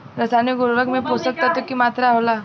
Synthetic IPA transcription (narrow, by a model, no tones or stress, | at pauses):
ɾəsaniɡoɾʋəkmeposək̚t̪ət̪əkːiːmat̪ɾawla